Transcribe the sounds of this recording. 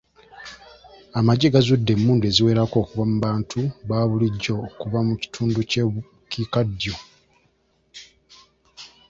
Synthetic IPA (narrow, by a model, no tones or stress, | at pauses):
amaɟeɡazudːe̞mːuːnde̞ziwe̞ːɾako̞ːkuβamuβaːntʰuβaːβuliɟːo̞kuβamuci̥tʰuːnduce | kʰikadjo̞